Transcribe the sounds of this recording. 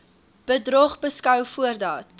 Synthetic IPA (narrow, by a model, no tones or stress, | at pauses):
b̥ədrɔχbəskœwfuərdɑːt̚